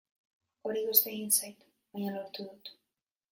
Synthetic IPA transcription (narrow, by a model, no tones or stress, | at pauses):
o̞ɾiɣust̪e̞ɣinsajt̪ | βaɲalo̞ɾt̪uðut̪